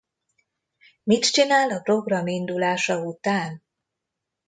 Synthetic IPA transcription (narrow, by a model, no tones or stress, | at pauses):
mit̪t͡ʃinaːlɒpro̞ɡrɒmind̪ulaːʃɒut̪aːn